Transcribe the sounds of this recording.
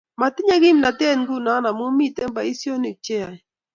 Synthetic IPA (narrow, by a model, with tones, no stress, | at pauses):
ma˨tɪ˦ɲa˦ɡɪ˦mna˨tɛ˦˨nɡu˦˨na˨˦na˨mo˦mi˦˨tɛ˦m˦ba˨i˦sjo˦ni˨t͡ʃɛ˦a˨